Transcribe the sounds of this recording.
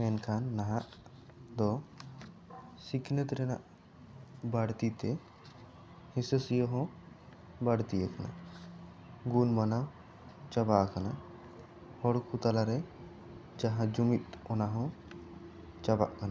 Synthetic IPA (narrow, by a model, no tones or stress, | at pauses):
mɛnkʰanːaɦaʔ | d̪ɔ | sikʰnət̪ɾɛna̰ʔ | baɽt̪it̪ɛ | hisəsijɔɦɔ̃ | baɽt̪ijakana̰ʔ | ɡunmanaw | t͡ʃabaʔkana | hɔɽkʰut̪alaɾɛ | d͡ʒaɦãd͡ʒumit̪̚ɔnaɦɔ̃ | t͡ʃaba̰ʔkana